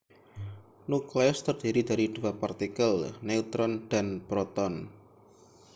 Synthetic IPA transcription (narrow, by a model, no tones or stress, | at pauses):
nukleʊst̪ərd̪̥iɾid̪aɾid̪̥uwapart̪ikəlnɛut̪ɾɔnd̪̥anb̥ɾɔt̪ɔn